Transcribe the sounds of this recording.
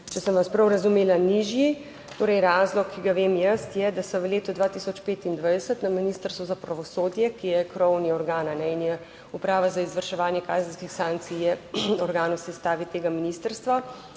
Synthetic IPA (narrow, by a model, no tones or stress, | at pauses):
t͡ʃɛsəmʋaspɾɐwɾɐzumeːlaniʒji | t̪oːɾɛjɾaːzlɔkːiɡaʋemjəst̪jɛd̪asɐʋəleːt̪ud̪ʋat̪isɔt͡ʃpeːt̪ind̪ʋajd̪ɛsət̪naminist̪əɾst̪ʋuzapɾaʋɔsoːd̪jɛkijɛkɾɔwniɔɾɡaːnanɛinjɛ | upɾaːʋazaizʋəɾʃɛʋaːnjɛkaːzənskixsaŋk̚t̪sijɛɔɾɡaːnɔwsɛst̪aːʋit̪eːɡaminist̪əɾst̪ʋa